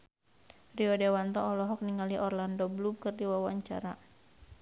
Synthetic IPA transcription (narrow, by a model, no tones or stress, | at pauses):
riɔdewant̪ɔːlɔɦɔk̚niŋaliʔɔrlandɔblumkɨrdiwawaɲt͡ʃa̰ɾa